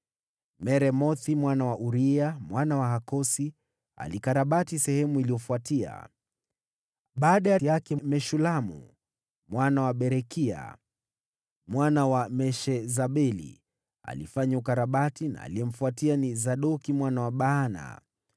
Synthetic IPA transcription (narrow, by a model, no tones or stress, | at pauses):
mɛɾɛmɔθimwanawaʔuɾiamwanawaɦakɔsi | a̰likaɾaɓatisɛhɛmuilijɔfuatia̰ | ɓaːɗajajakɛmɛʃulamṵ | mwanawaɓɛɾɛkia̰ | mwanawamɛʃɛzaɓɛlḭ | a̰lḭfaɲaukaɾaɓatina̰ːliɛm̩fuatianizaɗɔkimwanawaɓaːna̰